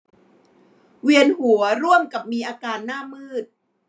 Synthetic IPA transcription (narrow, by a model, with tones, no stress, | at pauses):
wi˧ənhu˩˦ɐɾu˥˩əmka˨˩p̚miː˧ʔaː˧kaː˧nːaː˥˩mɯː˥˩t̪̚